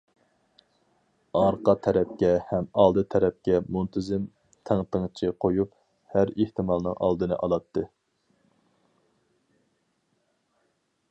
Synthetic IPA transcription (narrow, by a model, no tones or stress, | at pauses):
ɑɾqʰɑt̪ʰɛɾɛp̚kʲɛhɛmɑlˠd̪ɨt̪ʰɛɾɛp̚kʲɛmunt̪ʰɪzɪm | t̪ʰeŋt̪ɨŋt͡ʃʰiqʰojup | hæɾeht̪ʰɨmɑlˠnɨ̰ŋʔɑ̰lˠd̪ɨnɨ̰ʔɑlˠɑt̪ʰːɨ